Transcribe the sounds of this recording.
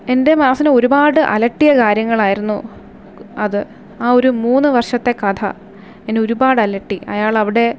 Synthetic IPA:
e̞nde̞maːsɐneo̞ɾubaːɽɨʔɐ̰lɐʈːijɐkaːɾjɐŋːɐɭaːjiɾunːu | ɐðɨ | aːo̞ɾumuːnːɨʋɐrʂɐt̪ːe̞kɐd̪ʰɐ̰ | enːeo̞ɾubaːɽɨɐlɐʈːiɐ̰jaːɭɐʋiɽe̞

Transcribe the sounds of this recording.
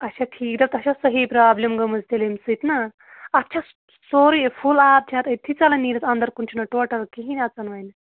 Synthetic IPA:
ɐʃʰaʈʰiːk̚d̪ɐt̪ɐʃasɐɦipɾaːblʲemɡɐmɐzt̪elemsɨt̪na | ɐt̪ːt͡ʃʰas | soːɾipʰulaːp̚t͡ʃʰaːt̪et̪ʰit͡salɐniːɾɐt͡sɐnd̪ɐɾkunt͡ʃʰunɐʈoːʈɐɾkiɦinʲɐt͡sɐnʋɐjnɨ

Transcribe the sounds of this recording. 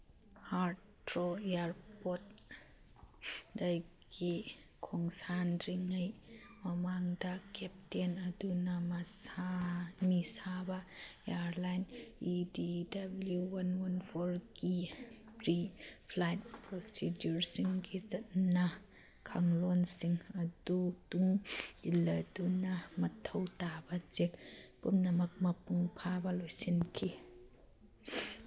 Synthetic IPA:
ha | ɾoearpɔt̪̚ | dajki | kʰɔŋsanɾiŋajmamaŋdakʰɛp̚tiənadunamasamisabaʔeaɾlajnʔididabljuwanwɐnfʰɔrɡi | pɾipʰlajt̚pɾosidjuɾsiŋɡizɐt̚nɐ | kʰaŋlɔnsiŋɐdutuŋilɐdunɐmɐtʰɐwtabɐt͡ʃek̚pumnɐmɐk̚mɐpuŋpʰabɐlojsinkʰi

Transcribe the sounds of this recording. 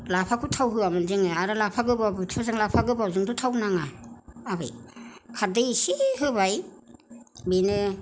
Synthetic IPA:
lapʰakʰɯtʰawɦɯamɯnzɯŋɯaɾalapʰaɡɯbabɯtʰazaŋlapʰaɡɯbawzɯŋtʰutʰawnaŋaːbɯ̰jkʰadɯsiɦɯbaj | binɯ

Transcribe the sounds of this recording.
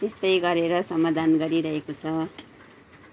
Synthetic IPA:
est̪ʌjɡʌɾeɾʌsʌmad̪ʱanɡʌɾiɾʌɦekot͡sʰʌ

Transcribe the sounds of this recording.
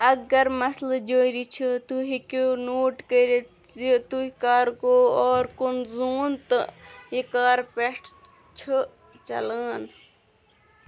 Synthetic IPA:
ɐɡɐɾmɐsld͡ʒoːiɾit͡ʃʰut̪uɦikonoːʈkəɾe | it̪uɦikaːɾkooːɾkunzuːnt̪ɨikaːɾpeʈʰ | t͡ʃʰu | t͡ʃɐ̰ləːn

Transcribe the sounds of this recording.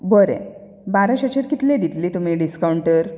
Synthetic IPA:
bəɾḛ̃ | baɾãɕeɕeɾkit̪lẽd̪it̪liːt̪umiɖiskawɳʈəɾ

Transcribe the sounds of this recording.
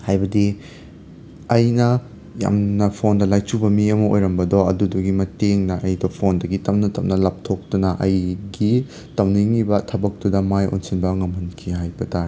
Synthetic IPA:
hajbɐdi | ɐjnɐ | ja̰mnɐpʰondɐlajt͡ʃubɐmiɐmɐo̰jɾɐmbɐdɔɐduduɡimɐteŋnɐʔɐjdɔpʰondɐɡitɐmnɐtʰɐm̚nɐlɐp̚tʰok̚tunɐʔɐjɡi | tɐwniŋibɐtʰɐbɐk̚tudɐmajo̰nsinbɐŋɐmhɐnkʰiɦajbɐtaɾe

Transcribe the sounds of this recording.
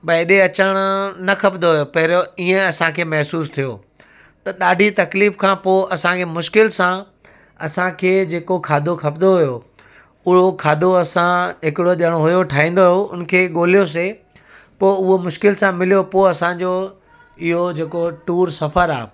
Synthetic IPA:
bɐɪɗeɐt͡ɕəɽ̃ʊnɐkʰɐpd̪oɦʊjopɐɦɪɾiːẽɐsãkʰeːmɐɦsuːst̪ʰijoː | t̪ɐɗaːɖʱit̪ɐkliːfkʰãpoːɐsãkʰeːmʊʃkɪlsã | ɐ̰sãkʰeːd͡ʑeːkokʰaːd̪ʱokʰɐpd̪oɦʊjo | ʊɦokʰaːd̪ʱoɐsãɦɪkɪɽoʄəɽ̃oɦʊjoʈʰaːɦĩːnd̪oɦjoʊn̆kʰeːɠoːlijos̬e | poːʊɦomʊʃkɪlsãmɪlijopoːɐsãd͡ʑo | ɪɦod͡ʑeːkoʈuːɾsɐfəɾa̰ː

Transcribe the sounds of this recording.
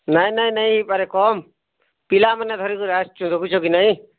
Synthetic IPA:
najnaj̃naj̃ipaɾɛkɔm | pilamanɛt̪ʰɔɾikuɾast͡ʃũd̪ɔkut͡ʃʰɔkinaj̃

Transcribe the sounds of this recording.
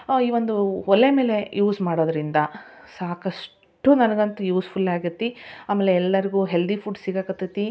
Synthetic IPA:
iːʋond̪uɔlːeme̞ːle̞juːsmaːɽoːd̪ɐɾind̪ɐsaːkɐʂ | ʈunɐnɐɡɐnt̪ujuːspʰulaːɡiɾt̪ːiaːmeːlːeɛlːɐɾiɡuːɦe̞ld̪ipʰuːɖsiɡakɐt̪ːit̪ːi

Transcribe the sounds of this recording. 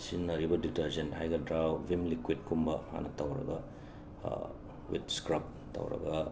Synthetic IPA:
sinːɐɾibɐditɐɾzɐnhajɡɐdɾawbʱimlikwid̚kumbɐma̰nɐtʰɐwɾɐ̰ɡɐ | wḭtskɾɐp̚ | tʰɐ̰wɾɐ̰ɡɐ

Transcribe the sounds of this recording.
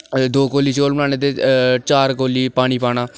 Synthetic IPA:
d̪oːkoːliːt͡ʃoːlbənaːneːt̪eːt͡ʃaːɾkoːliːpaːɽ̃iːpaːnaː

